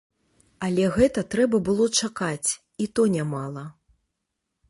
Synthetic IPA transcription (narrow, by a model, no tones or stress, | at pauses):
alʲɛɣɛt̪ɐt̪ɾɛbɐbɨlˠɔt͡ʂakat͡sʲ | it̪ɔnʲamalˠɐ